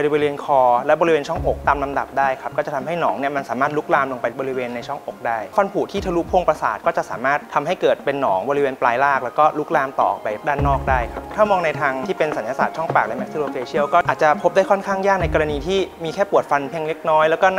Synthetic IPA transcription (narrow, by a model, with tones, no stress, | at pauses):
ɾi˧bɔː˧iweː˧nkʰɔː˧lɛ˦˥bɔː˧ɾi˦weː˧nt͡ɕʰɔ˥˩ŋho˨˩k̚t̪aː˧mla˧mda̰˨˩p̚daː˥˩jkʰa˦˥p̚kɔː˥˩t͡ɕa˨˩t̪ʰa˧mɦa˥˩jnɔː˩˦ŋni˥˩ɐma˧nsaː˩˦maː˥˩t̪̚lu˦˥k̚laː˧mlo˧ŋpa˧jbɔː˧ɾi˦˥weː˧nːa˧jt͡ɕʰɔ˥˩ŋho˨˩k̚daː˥˩jfa˧npʰuː˨˩t̪ʰiː˥˩t̪ʰa˧lu˦˥pʰo˧ŋpɾa˧saː˨˩kɔː˥˩t͡ɕa˨˩saː˩˦maː˥˩t̪̚ʰːa˧mɦa˥˩jkɤː˨˩t̪̚pe˧nːɔː˩˦ŋbɔː˧ɾi˦weː˧nplaː˧jlaː˥˩k̚lɛː˦˥wkɔː˥˩lu˦˥k̚laː˧mt̪ɔ̰ː˨˩ʔpa˧˩daː˥˩nːɔː˥˩k̚daː˥˩jkʰa˦˥p̚t̪ʰaː˥˩mɔː˧ŋna˧jt̪ʰaː˧ŋt̪ʰiː˥˩pe˧nsa˩˦njaː˧sa̰ː˨˩t̪̚t͡ɕʰɔ˥˩ŋpa̰ː˨˩k̚lɛ˨˦˥mɛ˦k̚si˧loː˧feː˧t͡ɕʰi˥˩əwkɔː˥˩ʔaː˨˩t̪̚t͡ɕa˨˩pʰo˦˥p̚da˥˩kʰɔ˥nkʰaː˥˩ŋjaː˥˩k̚na˧jkɔ˧ɾa˧niː˧t̪ʰiː˥˩miː˧kʰɛː˥˩pu˨˩ət̪̚fa˧npʰi˧˥əŋle˦˥k̚nɔː˦˥jlɛ˦˥wkɔː˥˩